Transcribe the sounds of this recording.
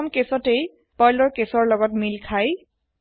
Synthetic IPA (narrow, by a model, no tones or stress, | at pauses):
mkesɔtej | pɔjlɔɹkesɔɹlɔɡɔtmilkʰaj